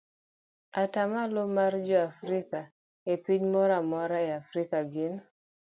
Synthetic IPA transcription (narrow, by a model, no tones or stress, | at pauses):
atamalomard͡ʒɔafɾika | epiɲmɔɾamɔɾaeafɾikaɡɪn